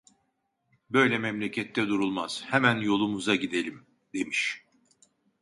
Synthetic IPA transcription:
bø̞jlʲɛmɛmlʲecʰɛt̪ʰːɛd̪uɾulˠmaz̥hɛmænjo̞lˠumuzaɟid̪e̞lʲim | d̪e̞miʃ

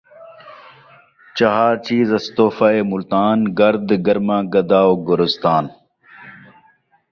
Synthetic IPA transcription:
t͡ʃɐɦaːt͡ɕiːzɐst̪oːfaːeːmʊlt̪aːnɡɐɾd̪ɡɐɾmãːɡɐd̪aːoɡʊɾʊst̪aːn

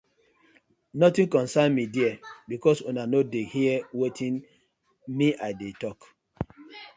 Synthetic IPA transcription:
nɔtĩnkɔ̃nsãnmidiɛbikɔsonanodehiɛwetʰĩn | miʔaɪdetɔk

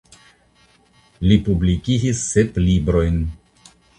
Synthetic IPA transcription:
lipublikid͡ʒisːeplibɾo̞jn

